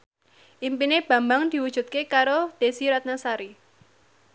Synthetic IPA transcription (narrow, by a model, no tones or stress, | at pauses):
ʔimpineb̥ä̤mbaŋd̪̥i̤wud̥ʒ̥ṳt̪̚kekaɾod̪̥esiɾat̪̚nasaɾi